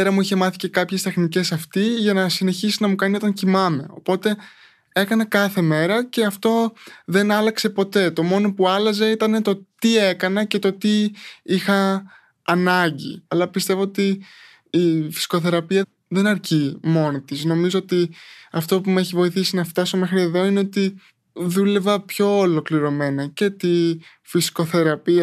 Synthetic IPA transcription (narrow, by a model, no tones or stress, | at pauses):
eɾɐmuiçe̞mɐθi̥ce̞kɐpçe̞st̪e̞xnice̞sɐft̪iʝɐnɐsine̞çisinɐmukɐnio̞t̪ɐɲcimɐme̞o̞̰po̞t̪e̞ | e̞kɐnekɐθe̞me̞ɾɐce̞ɐft̪o̞ðe̞nɐlɐkse̞po̞t̪e̞t̪o̞mo̞no̞puɐlɐze̞it̪ɐne̞t̪o̞t̪ie̞kɐnece̞t̪o̞t̪iixɐː | nɐɲɟḭɐlɐpist̪e̞vo̞ot̪iː | fi̥si̥ko̞θe̞ɾɐpiɐ | ðe̞nɐɾcimo̞nit̪izno̞mizo̞ot̪iɐft̪o̞pumeçivo̞iθisinɐft̪ɐsome̞xɾie̞ðo̞ine̞o̞t̪i | ðule̞vɐpço̞ːlo̞kliɾo̞me̞nɐce̞t̪i | fisi̥ko̞θe̞ɾɐpiɐ